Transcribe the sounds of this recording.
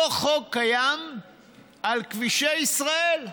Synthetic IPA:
χokːajam | ʔalkviʃeisʁael

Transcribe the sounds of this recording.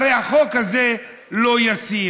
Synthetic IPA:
ʁejaχokaze | lo̞jasi

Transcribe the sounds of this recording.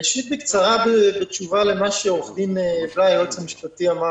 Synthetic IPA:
iʃit̪̚bɪkt͡saʁabebɪt͡ʃuvalemaʃɛɔχdimɛvlajot͡samiʃpat̪iama

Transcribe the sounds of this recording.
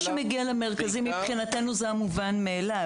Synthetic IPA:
ʃemeɡialeme̞ʁkazimːipχinate̞nuzeamuvanmeːla

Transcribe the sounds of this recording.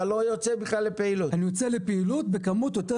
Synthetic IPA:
lojot͡sebiχlalːepeiluanijot͡selepeilut̪be̞kamut̪jo̞te

